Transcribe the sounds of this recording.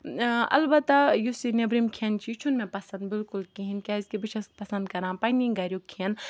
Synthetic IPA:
ɐ̰lbɐt̪ajusinebɾimkʰent͡ʃʰit͡ʃʰunmẽpɐsɐ̃nd̪bɪlkulkiɦinkʲaizkebiʃʰɐst̪̚pɐsɐ̃nd̪kɐɾãːpɐnĩŋɡɐɾʲjukʰiɐn

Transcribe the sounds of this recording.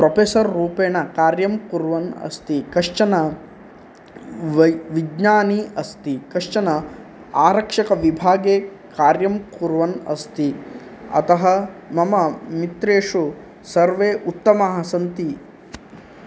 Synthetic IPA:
pɾopeːsɐɾːuːpeːɳɐkaːɾjɐmkuɾʋɐnɐ̰st̪ikɐʂt͡ʃɐnɐ | ʋɐʋid͡ʒnaːniɐst̪ikɐʂt͡ʃɐnɐ | aːɾɐkʂɐkɐʋibʱaːɡeː | kaːɾjɐmkuɾʋɐnɐ̰st̪i | ɐ̰t̪ɐɦɐmɐmɐmit̪ɾeːʂu | sɐɾʋeːʔut̪ːɐmaɦɐsɐnt̪i

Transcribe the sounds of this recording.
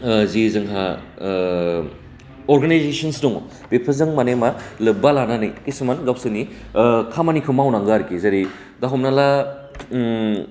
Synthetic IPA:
zizɯŋɦa | oɾɡanajzesɐnsnuŋ | b̥epʰɐzɯŋmanemalɯbalananijkisɯmanɡawsɯni | kʰamanikʰɯmawnaŋɡaɾkizɐɾi | daɦɔmnala

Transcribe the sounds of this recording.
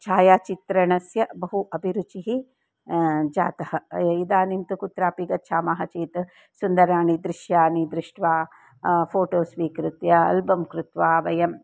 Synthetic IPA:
t͡ʃʰaːjaːt͡ʃit̪ɾɐɳɐsjɐbɐɦuʔɐbʱiɾut͡ʃiɦi | d͡ʒaːt̪ɐhɐid̪aːnimt̪ukut̪ɾaːpiɡɐt̪ʃʰaːmaːɦɐt͡ʃeːt̪ | sund̪ɐɾaːɳid̪ɾiʃjaːɳid̪ɾɪʂʈʋaː | pʰoːʈoːsʋiːkɾut̪jɐɐ̰lbɐmkɾut̪ʋaːʋɐjɐm

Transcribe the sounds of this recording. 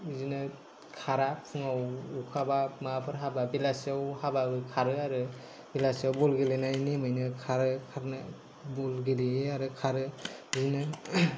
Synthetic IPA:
zinɯ | kʰaɾapʰɯŋawukʰabamapʰɯɾɦababilasawhabaɯkʰaɾɯaɾɯ | bilasawbɔlɡilinajnimɯjnɯkʰaɾɯkʰaɾnɯ | bɔlɡiliaɾɯkʰaɾɯzinɯ

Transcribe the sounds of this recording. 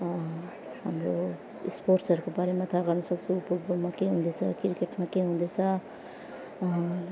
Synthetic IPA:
ɦamɾo | ḭspoɾʈsʌɾukobaɾemat̪ʰaɡʌrnʌsʌkt͡sʰũːpubumakeɦũnd̪et͡sʰʌkiɾkeʈmakeɦũnd̪et͡sʰʌ

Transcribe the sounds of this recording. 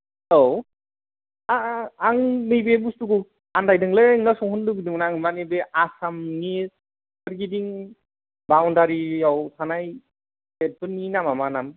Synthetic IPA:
low | aaŋmɯjbebustuku | andajdɯŋleŋnasɔŋhunduɡidɯŋnaŋmanebeʔasamni | ɯɾɡidiŋ | bawndaɾiawtʰanaj | et̚bɯninamamanam

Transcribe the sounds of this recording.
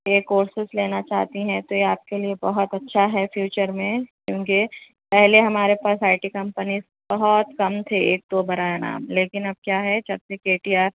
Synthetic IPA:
eːkoːɾsɪsleːnat͡ʃa̰ːɦt̪iɦɛ̃t̪ojeaːp̚keliebɐɦɔt̪ɐtːʃʰaɦɛfjuːt͡ʃəɾmẽkjõːki | pɛɦleɦɐmaːɾepaːsaːɪʈikɐ̃mpəniz | bɐɦɔt̪kɐmt̪ʰeeːk̚t̪obɐɾaːjana̰ːmleːkɪnɐb̚kjaːɦɛd͡ʒɐbsekeːʈiaːɾ

